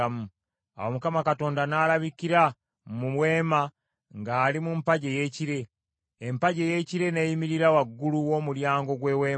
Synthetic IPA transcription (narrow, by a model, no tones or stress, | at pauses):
mu | a̰womukamakato̞ːndanaːlaβikiɾa | mumwe̞ːma | ŋɡaːlimumpaɟe̞je̞ːciɾe̞ː | mpaɟeje̞ciɾe̞nejimiɾiɾawaɡːuluwo̞ːmuljaːŋɡo̞ɡwe̞ːwe̞ː